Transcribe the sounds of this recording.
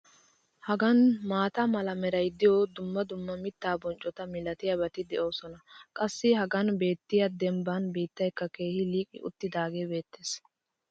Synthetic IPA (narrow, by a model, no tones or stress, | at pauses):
hɐɡɐnmaːt̪ɐmɐlɐmɛɾɐjd̪ɪjoːd̪ʊmːɐd̪ʊmːɐmɪt̪ːaːbɔnt͡ʃʼɔt̪ɐmɪlɐt̪ɪjɐbɐt̪ɪd̪ɛʔo̞ːsɔnɐkʼɐsːɪhɐɡɐnbe̞ːt̪ːɪjɐd̪ɛmbanbiːt̪ːɐjkːɐke̞ːhɪliːkʼɪ̰ʔʊ̰t̪ːɪd̪aːɡeːbe̞ːt̪ːeːs